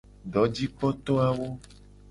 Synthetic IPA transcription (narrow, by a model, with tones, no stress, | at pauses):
ɖɔ˨˦d͡ʑi˦k͡pɔ˦t̪ɔ˦a˨wo˦